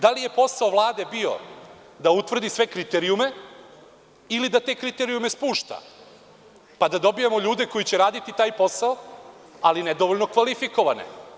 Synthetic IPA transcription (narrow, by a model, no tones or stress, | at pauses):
d̪alije̞po̞saoʋlˠaːd̪e̞bio̞̰ | d̪aut̪ʋr̩d̪isʋe̞kɾit̪eɾiume̞ | ilid̪at̪eːkɾit̪eɾiume̞spuːʃt̪a̰ | pad̪ad̪o̞bijemoʎuːd̪e̞ko̞jit͡ɕeɾaːd̪it̪it̪aːjpo̞saoalined̪oʋoʎnokʋalifiko̞ʋanḛ